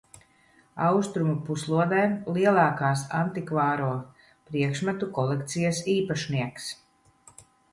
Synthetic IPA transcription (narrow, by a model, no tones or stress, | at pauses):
awst̪ɾumupuslˠuɔd̪ɛːlˠiɛlˠɑːkaːsant̪ikvaːɾuɔ | pɾiɛkʃmæt̪ukɔlˠɛkt̪sijasiːpaʃniɛks